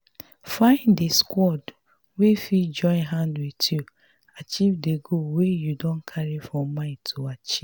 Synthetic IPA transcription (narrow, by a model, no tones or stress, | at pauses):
fãɪ̃ndeskwɔd | wefid͡ʒɔ̃ɪ̃nɦãndwitju | at͡ʃivdeɡowejudɔ̃nkʰaɾifɹɔ̃mːãɪ̃tʰoat͡ʃi